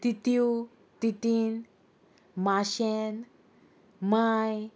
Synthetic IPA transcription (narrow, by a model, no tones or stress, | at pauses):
t̪it̪iu | t̪it̪in | maɕen | maj